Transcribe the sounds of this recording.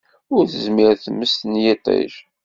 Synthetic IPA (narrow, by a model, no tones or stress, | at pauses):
ʊɾθəzmɪɾθəmːəst̪ənjit̪ˤḭʃ